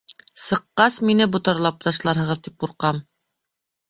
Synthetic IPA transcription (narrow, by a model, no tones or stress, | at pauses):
sɤ̆qːɑsminɘbŭt̪ɤ̆ɾlˠɑp̚t̪ɑʃlˠɑɾɦɤ̆ʁɤ̆ðt̪ip̚quɾqɑm